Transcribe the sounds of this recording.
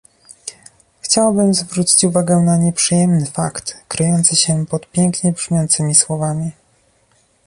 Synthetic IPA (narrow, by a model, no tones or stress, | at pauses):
xt͡ɕawabɘmzvɾut͡ɕi̥t͡ɕuvaɡɛnaɲɛpʂɘjɛmnɘfakt̪kɾɘjɔnt̪sɘɕɛpɔt̪pʲjɛŋkɲɛbʐmʲɔnt̪sɘmʲiswɔvamʲi